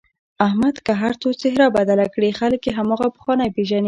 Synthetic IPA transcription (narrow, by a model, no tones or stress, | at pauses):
ahmad̪kaɦaɾt͡sot͡sɪɦɾɑbad̪alakɽixaləkjeɦamɑɣapə̥xwɑnajpeʒani